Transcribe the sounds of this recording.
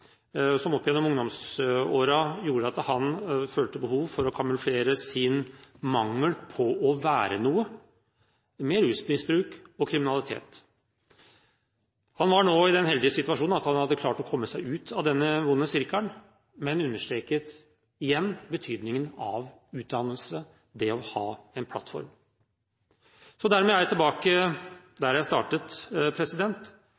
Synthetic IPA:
sɔmɔpːjɛnːɔmʊŋd̪ɔmsoːɾɑjuːɾəɑt̪hɑnføːlt̪əbəhuːʋfɔɾɔkʰɑmʉlfleːɾəsɪnmɑŋːəlpʰɔʔɔʋæːɾənuːə | mɛɾʉːsmɪsbɾʉːkɔkʰɾɪmɪnɑlɪt̪ʰḛːt̪ | hɑnʋɑɳoːɪd̪ɛnhɛld̪ɪəsɪt̪ʉɑʂuːnnɑt̪hɑnhɑd̪ːəkʰlɑːʈɔkʰɔmːəsæɪʉːt̪ʰɑʋd̪ɛnːəʋʊnːəsɪɾkəɳ | mɛnʉnːəʂʈɾeːkət̪ | ɪjɛnːbət̪ʰyːd̪nɪŋənɑʋ | ʉːt̪̚d̪ɑnəlsə | d̪ɛɔhɑːɛnpʰlɑ̰t̪fɔ̰ɾm | sɔd̪æɾmɛːæɾjæt̪ʰɪlbɑːkə | d̪æɾjæɪst̪ɑ̰ːʈət̪pʰɾɛsɪd̪ɛnt̪

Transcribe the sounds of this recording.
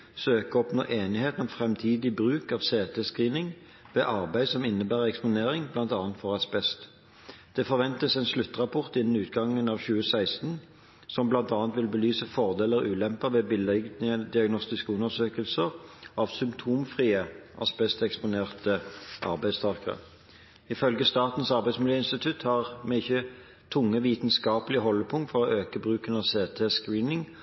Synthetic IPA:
søːkəɔpno̰ːʔeːnɪheːt̪ən̩ɔmfʁɛmt̪ʰiːd̪ɪbʁʉːkɑʋseːt̪ʰɛskʁiːnɪŋ | ʋeːʔɑʁbæɪd̪sɔmɪnːəbæːʁɛkspʊneːʁɪŋblɑnt̪ɑːnt̪fɔʁɑspɛst̪ | d̪̥ɛfɔʁʋɛnt̪əsɛnslʉt̪ːʁɑpʰɔʁt̪ɪnən̩ʉːt̪ɡɑŋːənɑːʋçʉːəsæɪst̪n̩ | sɔmblɑnt̪ɑːnt̪ʋɪlbəlyːsəfɔʁd̪eːləʁʉːlɛmpəʋɛːbɪlɛɡd̪ɪɑɡnɔst̪ɪskəʉnəsøːkəlsəʁɑʋsʏmpt̪ʰuːmfʁiːəʔɑ̰sbɛst̪ɛkspʊneːʁt̪əʔɑ̰ʁbæɪd̪st̪ʰɑʁkəʁə̰ | ɪfœlɡəst̪ɑːt̪n̩sɑʁbæɪdsmɪljeːɪnst̪ɪt̪ʰʉt̪hɑʁmɛɪçːə | t̪ʰʊŋːəʋiːt̪n̩skɑːpəlɪəɦɔlːəpʰʊŋt̪fɔʁɔʔøːkəbʁʉːkənɑseːt̪ʰeːskʁiːnɪŋ

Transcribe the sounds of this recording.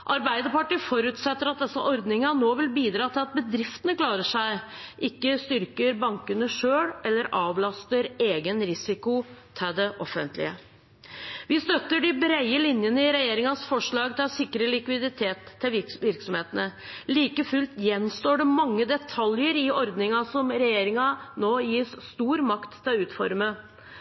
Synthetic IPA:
ʔɑɾbæɪd̪əpɑʈifɔɾʉːt̪sɛt̪ːəɾɑt̪̚d̪ɛsːɑʔɔɾd̪nɪŋɑnoːʋɪlbiːd̪ɾɑːt̪ʰɪlɑt̪̚bəd̪ɾɪft̪ənəklɑːɾəʂæɪʔɪkːəst̪ʏɾkəɾbɑŋkənəʂøːɽɛlːəɾɑːʋlɑst̪əɾeːɡənɾɪsɪkʊt̪ʰɪld̪ɛʔɔfːə̰nt̪lɪ̰ə | ʋɪst̪œt̪ːəɖɪbɾæɪəlɪnjənəɪɾɛjeːɾɪŋɑsfɔʂɭɑːɡ̚t̪ʰɪɑsɪkːɾəlɪkʋɪd̪ɪt̪ʰeːt̪ʰːɪʋɪɾksɔmheːt̪ənəliːkəfʉlt̪jɛnːst̪oːɖɛmɑŋːəd̪ɛt̪ʰɑljəɾɪɔɾd̪nɪŋɑsɔmɾɛjeːɾɪŋɑnoːjiːsst̪uːɾmɑkt̪ʰːɪlʉːt̪fɔ̰ɾmə

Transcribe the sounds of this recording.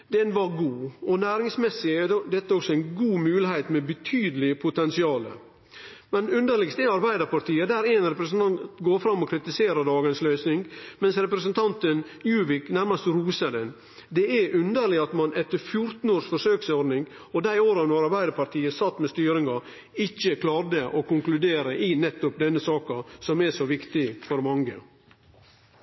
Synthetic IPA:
d̪ɛnʋɑɾɡuːɔnæːɾɪŋsmɛsːɪæd̪ɛt̪ːəɔksɔæɪnɡuːmʉːlɪhæɪt̪mɛbət̪ʰyːd̪əlɪpʰʊt̪ɛnsɪɑːlə̰ | mɛnʉnd̪əɭɪɡst̪ɛɑɾbæɪd̪əɾpɑɾʈ̪ʰiːəd̪æːɾɛnɾɛpɾəsənt̪ʰɑnt̪t̪ɡoːɾfɾɑmːɔkʰɾɪt̪ɪseːɾəd̪ɑːɡənsløʏsnɪŋɡmɛnsɾɛpɾəsənt̪ʰɑnt̪ənjʉːʋɪknæɾmɑst̪ɾuːsəd̪ɛn | d̪ɛɛʔʉnd̪əɾɭɪɑt̪mɑnʔɛt̪ːəɾfjʊɾt̪n̩oːʂfɔʂøːksɔɾɖnɪŋ | ɔd̪æɪoːɾɑnɔɾɑɾbæɪd̪ɑɾpɑɾʈ̪ʰiːəsɑt̪ːmɛst̪yːɾɪŋɑ | ɪçːəkʰlɑːɾd̪əʔɔkʊŋklʉd̪eːɾəʔɪnɛt̪ːʊpd̪ɛnːəsɑːkɑsɔmɛʂɔʋɪkt̪ɪfɔɾmɑŋə̰

